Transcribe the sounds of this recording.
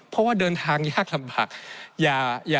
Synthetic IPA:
pʰɔ˦˥waː˥˩dɤː˧nt̪ʰaː˧ŋjaː˥˩k̚la˧mbaː˨˩k̚jaː˨˩jaː˨˩

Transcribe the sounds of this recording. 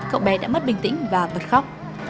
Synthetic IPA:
kə̰˧˨wŋ͡mɓɛ˨˩ɗa̰ː˧˥mə˦˥t̚ɓï˨˩ŋ̟t̪ḭ˧˥ŋvaː˨˩və˨˩t̚xa˦˥wk͡p̚

